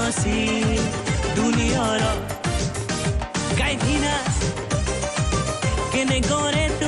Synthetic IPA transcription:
ɔ̃si | d̪uniɦɔɾɔ | kajt̪ʰina | kenẽɡɔ̃ːɾet̪u

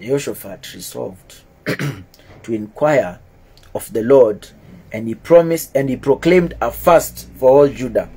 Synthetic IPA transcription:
d͡ʒɔʃəfatʰɹizɔ̰lˠvd | tʰuɪ̃nkʰw̥aɪə˞ | ʌvðəlɔɹd | ʔɨ̃ndipʰɹ̥ɑmɪstɨ̃ndhipʰɹokl̥ẽɪ̃mdəfastfə˞ɔlˠd͡ʒuda

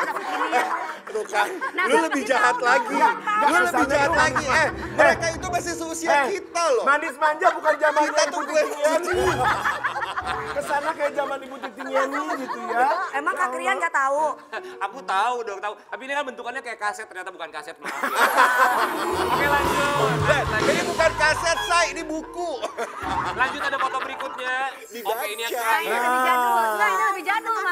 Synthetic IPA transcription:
h | dokalʊləbɪhd͡ʒaɦat̪̚laɡiɡaloləɪd͡ʒahat̪laɡiaməɾekait̪umasisusiakit̪alɔmanɪsmaɲd͡ʒabukand͡ʒamaniat̪utuɛiian | kəsanakajad͡ʒamanibut̪it̪iŋianiɡit̪ujaemaŋkaɾianɡat̪aoakut̪audɔkt̪aut̪apiːnikanbənt̪ukanɲakajakasɛt̪ːərɲat̪abukankasɛt̪̚ | kjalaɲd͡ʒʊtad͡ʒadibukankasɛt̪̚sainibuku | laɲd͡ʒʊt̪adakot̪ɔbəɾikut̪̚ɲa | dibat͡ʃaa | aaləbid͡ʒa

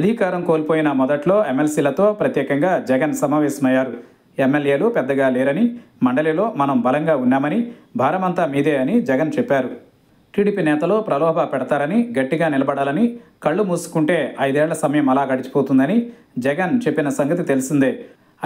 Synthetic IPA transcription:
ɐd̪ʱikaːɾɐmkoːlipoːjinɐmɔd̪ɐʈlo̞ːemːelsiːlɐt̪o̞ːpɾɐt̪jɛːkɐŋɡaːd͡ʒɛɡɐnsɐmaːʋɛːsɐmɐjːaːɾu | emːelje̞ːlupɛd̪ːɐɡaːlɛːɾɐni | mɐɳɖɐliːlo̞ːmɐnɐmbɐlɐŋɡaːunːaːmɐnibʱaːɾɐmɐnt̪aːmiːd̪eːɐnid͡ʒɛɡɐnt͡ʃɛpːaːɾu | ʈiːɽiːpiːnɛːt̪ɐlo̞ːpɾɐlɔːbʱɐpɛɽɐt̪aːɾɐniɡɐʈːiɡaːnilɐbɐɽaːlɐnikɐɭːumuːsu̥kuɳʈe̞ːɐjd̪eːlɐsɐmɐjɐmɐlaːɡɐɽit͡ʃi̥poːt̪und̪ɐni | d͡ʒɛɡɐnt͡ʃe̞pːinɐsɐŋɡɐt̪it̪e̞lisind̪eː

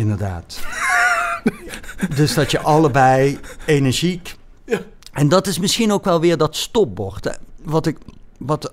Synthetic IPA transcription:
ɪndəɹda̰ːt | døsdɑtjəʔɑləbɛjenɛɹʒik | ʔɛndɑtɪsmɪsxinowkʋɛlˠʋɪːɹdɔtstɔp̚bɔɹtʋɑtɪkʋɑt

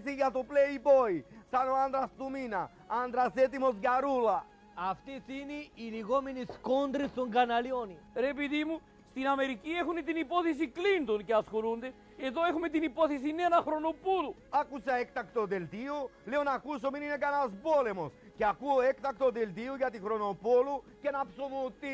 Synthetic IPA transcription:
siɡat̪opleibojsanoand̪ɾast̪umina | and̪ɾaset̪imosɡaɾula | aft̪eθiniːliɣominiskond̪ɾiθoŋɡanaljoniɾep̬iðimu | st̪inameɾikiexunit̪inipoθes̬iklint̪onkeaskoɾund̪e | eðoexumet̪̬inipoθes̬inenaxɾonopuluakusaek̚t̪akt̪od̪elt̪ioleonakus̬ominineɡanazbolemos | keakuoek̚t̪ak̚t̪od̪elt̪iuɡat̪ixɾonopolukenapsomut̪i

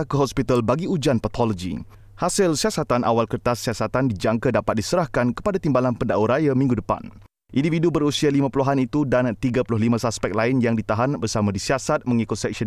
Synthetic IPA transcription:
kəɦɔspit̪albaɡiud͡ʒanpat̪ʰɔlɔd͡ʒḭ | hasɪlsiasat̪anʔa̰walkərt̪asːiasat̪andid͡ʒaŋkadapat̪̚disəɾahkankə̥padat̪imbalanpəndaʔuɾajamĩŋɡudəpa̰n | ʔindifidubəɾusialimãpuluɦanit̪udant̪iɡapulʊɦlimãsaspɛk̚laɪnjaŋdit̪aɦanbərsamãdisiasat̪̚mə̃ŋikʊt̪̚sɛk̚sə

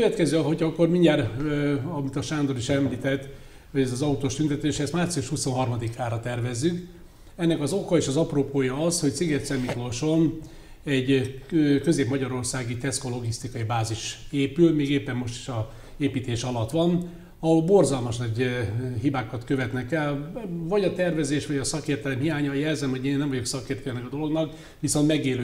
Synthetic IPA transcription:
køvɛt̪kɛzyɒɦo̞cɒkːormiɲɟaːɾ | ɒmit̪ɒʃaːnd̪oɾiʃɛmliːt̪ɛt̪ː | ho̞ɟɛzɒzɒut̪oːʃt̪ynt̪ɛt̪øːʃɛst̪maːrt̪sijuʃhuso̞nɦɒrmɒd̪ikʰaːrɒt̪ɛrvɛzːyk | ɛnːɛkɒzo̞kɒeːʃɒzɒproːpoːjɒɒsho̞c̚tsiɡɛt̪sɛmːikoʃo̞n | ɛɟ | kø̞zeːpmɒɟɒɾo̞rsaːɡit̪ɛsko̞lo̞ɡist̪ikɒibaːziʃeːpylmeːɡeːpːɛmːo̞ʃt̪i̥ʃɒ | eːpiːt̪eːʃɒlɒt̪ʋɒn | ɒɦolbo̞rzɒlmɒʃnɒɦibaːkɒt̪kø̞vɛt̪nɛkɛlvɒɟɒt̪ɛrvɛzeːʃʋɒɟɒsɒkeːrt̪ɛlɛmhijaːɲɒjɛlzɛmɦoɟeːnnɛmvɒɟo̞ksɒkeːrt̪ɛlɛnɛkɒd̪o̞lo̞ɡnɒk | ʋiso̞nt̪mɛɡeːløː

